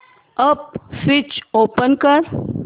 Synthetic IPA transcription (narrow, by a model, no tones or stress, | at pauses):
əp̚fit͡ʃoːpənkəɾ